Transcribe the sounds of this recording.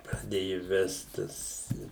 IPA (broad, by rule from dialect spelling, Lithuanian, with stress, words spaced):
prɐˈdʲeːjʊ ˈʋʲɛst ˈtɐs